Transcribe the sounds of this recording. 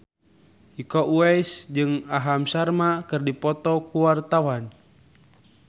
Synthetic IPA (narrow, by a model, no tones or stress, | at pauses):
ikɔʔuɛisd͡ʒɨŋaɦamsarmakɨrdipɔt̪ɔkuwart̪awan